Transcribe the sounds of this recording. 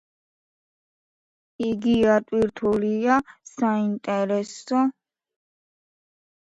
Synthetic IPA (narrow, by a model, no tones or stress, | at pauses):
iɡiat̪ʼwiɾt̪ʰuliasaint̪ʼɛɾɛsɔ